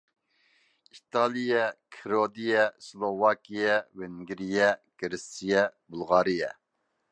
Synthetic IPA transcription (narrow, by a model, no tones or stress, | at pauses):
it̪ʰɑːlˠijɛkʰiɾod̪ijɛslˠovɑːkʲijɛveŋɡʲɾijɛɡ̥ɾɪsijɛbulˠʁɑːɾijɛ